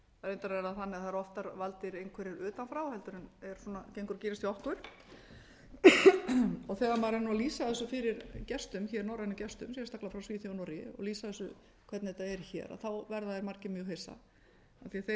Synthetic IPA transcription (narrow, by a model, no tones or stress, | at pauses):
aðejnt̪aɾɛɾaðθanːɪaθaɾɔft̪aɾvalt̪ɪɾejnkʰɛɾɪɾʏːt̪anfɾawhɛlt̪ʏɾɪnɛɾ̥sɔnacejŋkʏɾciːɾɪst̪iɔhkʏɾ̥ | ɔɣθɛːɣamaːɾanualiːsaðɛsʏfɪɾɪɾcɛst̪ʏmçɛɾnɔwɾanʏcɛst̪ʏ̰msjɛst̪aklafɾawsviːθanɔɾɪɔ̰ɣliːsaðɛsʏ | kʰvɛt̪nɪðɛt̪ːaɛɾ̥çɛ̰ːɾa̰θawvɛɾðaðɪɾmaɾcɪmjœːɣɦejsa̰ | aθiaθe